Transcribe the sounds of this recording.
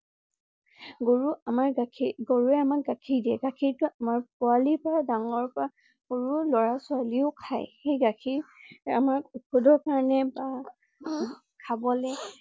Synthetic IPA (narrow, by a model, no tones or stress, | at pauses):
ɡoɹuamaɹʰɡoɹuɛamakɡakʰiɹdiɛɡakʰiɹtʊamaɹp̚ʊalipɔɹadaŋɔɹpɔɹa | koɹulɔɹasʊaliʊkʰajxejɡakʰiɹa̰maɹukʰudɔɹkaɹɔnɛba | kʰabɔlɛ